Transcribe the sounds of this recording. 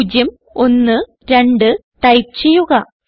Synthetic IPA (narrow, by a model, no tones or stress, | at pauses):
d͡ʑɐm | o̞nːɨ | ɾe̞ɳɖɨ | t̪ɐjt͡ɕejuɣɐ